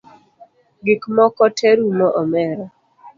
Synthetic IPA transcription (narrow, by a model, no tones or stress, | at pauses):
ɡɪkmɔkɔtʰɛɾunɔʔɔmɛɾɔ